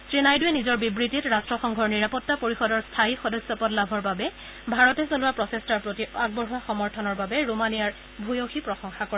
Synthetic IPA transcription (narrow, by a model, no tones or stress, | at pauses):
tɹinajdʊɛnizɔɹbibɹititɹastɹɔxɔŋɡʱɔɹniɹapɔtːapoɹixɔdɔɹstʰaixɔdɔsɔpɔtlabʱɔɹbabɛ | bʱaɹɔtɛsolʊwapɹɔsestaɹpɹotiaɡ̚bɔɹɦuaxɔmɔɹtʰɔnɔɹbabɛɹumanijaɹ | bʱujoxipɹɔsɔŋxakɔɹ